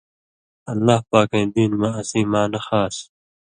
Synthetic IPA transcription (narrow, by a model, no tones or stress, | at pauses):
ɐlːaːhpaːkẽːd̪iːnmaɐsĩːmaːnɐxaːs